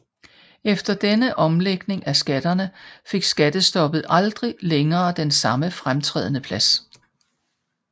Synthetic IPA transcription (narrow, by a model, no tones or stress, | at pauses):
efd̥ɐd̥enəʔɒ̽mleɡ̥ne̝ŋæsɡ̥æd̥ɐnəfe̝ɡ̥sɡ̥æd̥əsd̥ɒ̽b̥ð̩ˠʔɑ̈ld̥ʁileŋɐːd̥ensɑ̈məfʁamt͡sʰʁɛ̰ðˠənəpʰlæs